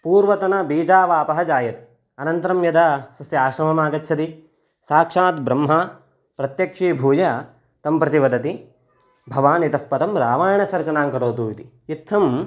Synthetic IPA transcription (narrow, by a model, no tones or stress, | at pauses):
puːɾʋɐt̪ɐnɐbiːd͡ʒaːʋaːpɐɦɐd͡ʒaːjɐt̪i̥ | ɐnɐnt̪ɐɾɐmjɐd̪ɐsɐsjɐaːʃɾɐmɐmaːɡɐtːt͡ʃʰɐt̪i | saːkʂaːt̪̚bɾɐmɦɐ | pɾɐt̪jɐkʂibʱuːjɐ | t̪ɐmpɾɐt̪iʋɐd̪ɐt̪i | bʱɐʋaːnit̪ɐppɐt̪ɐmɾaːʋaːjɐɳɐsɐɾt͡ʃɐnaːŋkɐɾoːt̪uːit̪i | it̪ʰːɐm